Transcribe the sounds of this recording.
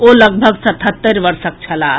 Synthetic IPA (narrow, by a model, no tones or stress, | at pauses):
oləɡbʱəɡsət̪ʰət̪ːəɾbəɾsək̚t͡ʃʰəla